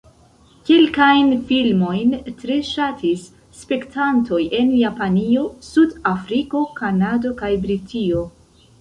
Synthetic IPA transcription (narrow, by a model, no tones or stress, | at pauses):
kelkajnfilmo̞jntɾe̞ʃatʰisː | pe̞ktanto̞jʔe̞njapanio̞sudafɾiko̞kanado̞kajbɾitʰio̞